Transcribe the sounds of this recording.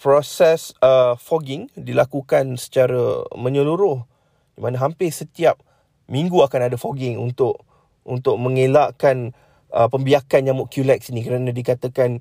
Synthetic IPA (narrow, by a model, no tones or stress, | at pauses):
pɾɔsɛsəfoɡɪŋdilakukansə̥t͡ʃaɾə̰mə̃ɲəluɾʊh | dimanaɦampɪsət̪iap̚ | miŋɡuakanadafoɡɪŋṵnt̪ʊʔ | unt̪ʊk̚mə̃ŋelaʔkan | ə̰pəmbiakanjamuʔkjulɛk̚sinĩkəɾanãdikat̪akan